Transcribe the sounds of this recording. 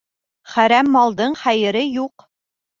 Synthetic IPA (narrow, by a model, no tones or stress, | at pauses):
χæɾæmːɑlˠd̪ɤɴχæjɘ̆ɾɘjuq